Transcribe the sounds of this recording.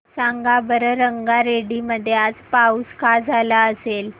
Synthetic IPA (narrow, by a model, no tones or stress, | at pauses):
saŋɡabəɾəɾəŋɡaɾeɽiməd̪ʱːjead͡zpauskad͡zʱalaəsel